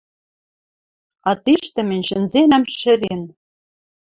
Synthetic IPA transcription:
ɑt̪iʃt̪ɘ̆mɘ̆nʲʃɘ̆nzenæmʃɘ̆ɾen

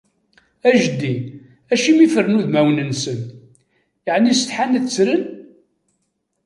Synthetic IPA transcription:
æʒd̪ːi | æʃimifərnuðmæwnənsənt̪ | jəʕnisət̪ħanət͡sːɾən

